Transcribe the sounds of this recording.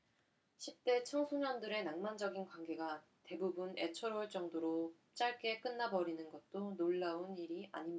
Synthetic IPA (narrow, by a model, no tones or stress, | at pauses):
ɕʰip̚t͈e̞t͡ɕʰʌŋsʰuɲjʌndɯɾe̞naŋmand͡ʑʌɡinkwaŋɡe̞ɡa | te̞bubune̞t͡ɕʰʌɾoɭt͡ɕ͈ʌŋdoɾo | t͡ɕ͈aɭk͈e̞k͈ɯnːabʌɾinɯnɡʌt̚t͈onoɭːauniɾia̰ɲimɲa